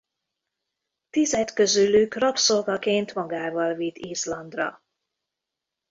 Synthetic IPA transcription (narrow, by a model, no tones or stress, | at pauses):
t̪izɛt̪kø̞zylykrɒpsolvɒkeːnt̪mɒɡaːvɒlvit̪iːzlɒnd̪rɒ̰